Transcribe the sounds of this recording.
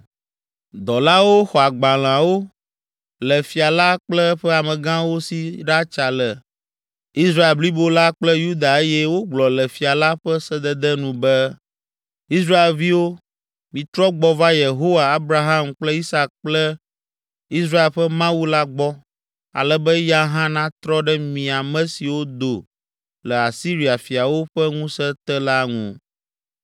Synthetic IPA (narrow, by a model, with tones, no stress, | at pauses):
d̪ɔ˨la˦wo˦xɔ˨a˨ɡ͡ba˨l̃ã˨wo˦ | lɛ˨fi˨a˨la˦k͡plɛ˦ɸɛ˦a˨mɛ̃˨ɡã˦wo˦si˦ɖa˦t͡ʃa˨lɛ˨ | i˦sɾa˦e˨lbli˦bo˦la˦k͡plɛ˦ju˦d̪a˨e˦jɛ˦wo˦ɡ͡blɔ˨lɛ˨fi˨a˨la˦ɸɛ˦sɛ˦d̪ɛ˦d̪ɛ˦nũ˨bɛ˦ | i˦s̬ɾa˦e˨lvi˦wo˦ | mĩ˨t̪ɾɔ˦ɡ͡bɔ˦va˦je˨ɦo˦wa˨a˦bɾa˨ɦã˦mk͡plɛ˦i˦sa˦k̚k͡plɛ˦ | i˦s̬ɾa˦e˨lɸɛ˦mã˦wu˦la˦ɡ͡bɔ˦ | a̰˨lɛ˦bɛ˦ja˦ɦã˦nã˦t̪ɾɔ˦ɖɛ˦mĩ˨a˨mɛ̃˦si˨wo˦d̪o˨ | lɛ˨a˨si˦ɾi˨a˨fi˨a˨wo˦ɸɛ˦ŋũ˦sɛ˦t̪ɛ˦la˦ŋṵ̃˨